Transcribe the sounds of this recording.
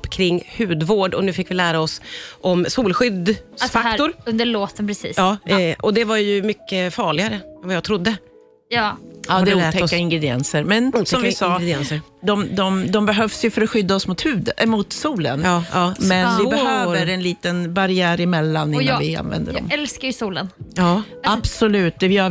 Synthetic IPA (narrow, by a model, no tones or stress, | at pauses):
pːkʰɾɪŋːhʉ̟ːd̪voːɖɔnʉ̟ːfɪkːvɪlæːɾaɔsʔɔmsuːlɧʏd̪ffaʊɾɵnd̪əɭoːt̪ənpʰɾɛsḭːɑːʔɔd̪ɛvaɾjɵmʏkːəfɑːɭɪɡaɾəɛmvajɑːɡt̪ʰɾʊd̪ːə | jdd̪ɛuːt̪ʰɛkːaɪŋɡɾɛd̪ɪɛ̰nsəɾmɛnːsɔmvɪsɑːɛnsə | d̪ɔmd̪ɔmd̪ɔmbɛɦœvsjɵfœɾɔɧʏd̪ːaɔsmʊt̪hʉ̟ːd̪mʊt̪suːlə̰nːmɛnvɪbɛhøːvəɾɛnliːt̪ənbaɾɪæːɾɪmɛlːanɪnːvɪa̰nvɛ̰nd̪ədɔ̰mɛlskaɾjəsuːlənɑ | ab̥sɔlʉ̟ːt̪̚d̪ɛvɪ